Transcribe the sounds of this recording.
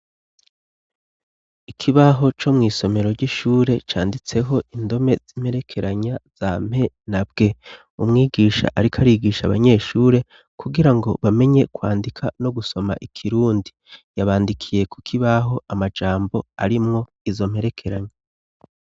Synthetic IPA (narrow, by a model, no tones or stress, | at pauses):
ikʰiβaɦo̞t͡ʃo̞mŋiːso̞me̞ɾo̞ɾɟiʃuːɾe̞t͡ʃaːndit͡se̞ɦo̞ʔindo̞me̞z̥im̥he̞ɾe̞kʰe̞ɾaɲaz̥am̥he̞ | nab̚ɡ̥e̞ | umŋiːɡiːʃa̰ʔaɾikʰaɾiɡiːʃaβa̰ɲe̞ːʃuːɾe̞ | kʰuɡiɾaŋɡo̞̰βame̞ɲe̞kwa̰ːndikʰa̰no̞ɡuso̞ma̰ʔikʰiɾuːndi | jaβaːndikʰije̞kukʰiβaɦo̞ʔamad͡ʒaːmbo̞aɾimŋo̞ | izo̞m̥he̞ɾe̞kʰe̞ɾaɲa